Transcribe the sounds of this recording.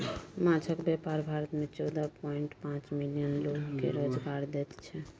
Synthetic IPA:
mãt͡ʃʰəkbjɛpaɾbʱaɾət̪met͡ʃɔwd̪apɔiɳʈpãt͡ʃmilijənloɡkḛɾod͡ʒɡaɾd̪et̪t͡ʃʰɛ

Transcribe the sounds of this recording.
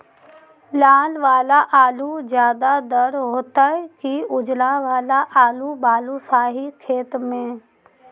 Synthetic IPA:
laːlʋaːlaʔaːluzjaːd̪ad̪əɾɦoːt̪aɛkiʊd͡ʒlaʋaːlaʔaːlubaːlusaːɦikʰeːt̪mẽː

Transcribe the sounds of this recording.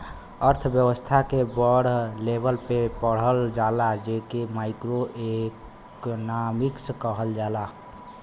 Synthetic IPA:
əɾt̪ʰbjəwəst̪ʰakebəɽlebəlpepəɽ̤əld͡ʒaːlad͡ʒekemaːɪkɾoʔek | namiksəkəɦəld͡ʒaːla

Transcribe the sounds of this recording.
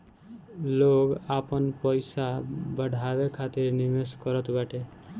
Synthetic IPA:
loɡapɔnpɔjsabəɽʱabekʰat̪iɾnimeskɔɾɔt̪baʈe

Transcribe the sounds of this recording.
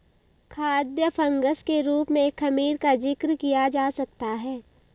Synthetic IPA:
kʰaːd̪jəfʰɐ̃ŋɡəskeɾuːpmẽkʰːɐmiːɾkad͡ʒɪkɾkijad͡ʒaːsɐk̚t̪aɦɛː

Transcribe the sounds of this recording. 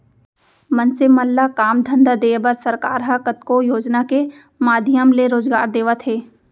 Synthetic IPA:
mənseməlːakaːmd̪ʱə̃nd̪ad̪eːbəɾsɐɾkaːɾɦakət̪kojoːd͡ʒnake | maːd̪ʱjəmleɾoːd͡ʒɡa̰ːɾd̪eːʋat̪ʰɦeː

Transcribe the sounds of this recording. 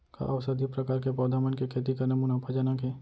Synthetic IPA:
ka̰ʔɐʋsəd̪ipɾɐkaːɾkepɔːd̪ʱaːmənkekʰeːt̪ikanɐmuːnapad͡ʒaːnakeː

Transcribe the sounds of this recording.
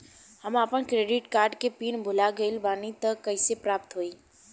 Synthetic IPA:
həmaːpənkɾeɖɪʈkaːɾɖkepiːnbʱʊlaɡəɪlbaːnit̪əkəɪsepɾaːp̚t̪ɦoiː

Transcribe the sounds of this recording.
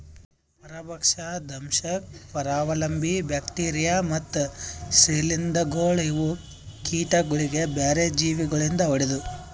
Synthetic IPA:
pɐɾɐbɐkʂad̪ʱɐmʃɐpɐɾaːʋɐlɐmbʱibjaːkʈiːɾijaːmɐt̪ːusilind̪ɐɡoːɭiʋu | kiːʈɐɡuɭiɡe̞beːɾed͡ʒiːʋiɡɐɭind̪ɐʋɐɽed̪u

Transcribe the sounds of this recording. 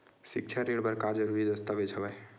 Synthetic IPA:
sik̚t͡ʃʰaɾeɽbəɾkaɾd͡ʒəɾuɾid̪əst̪əʋet͡ʃʰəbɛ

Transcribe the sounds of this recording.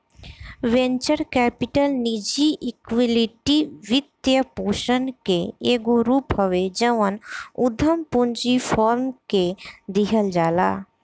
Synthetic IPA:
ʋẽnt͡ʃəɾkɛːpiʈəlnid͡ʒiʔikʋiliʈiʋɪt̪jəpoːʃənkeeːɡoɾuːpɦəʋed͡ʒəʋənʊd̪ʱəmpund͡ʒipʰɔːɾmked̪iɦəld͡ʒaːla̰ː

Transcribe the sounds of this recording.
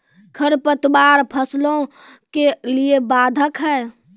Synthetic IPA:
kʰəɾpət̪baɾpʰəslõ | keliebaːd̪ʱəkɦɛː

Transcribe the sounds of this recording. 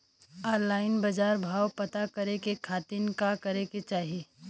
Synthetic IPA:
ɔːɾlaːɪnbɐd͡ʒaːɾbʱaːwpɐt̪akɐɾekekʰaːt̪inkakɐɾeket͡ʃaːɦieː

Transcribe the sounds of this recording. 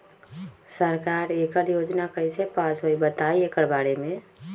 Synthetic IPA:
səɾkaːɾeːkəɾjoːd͡ʒnakəisepaːsɦoibət̪aːieːkəɾbaːɽemẽ

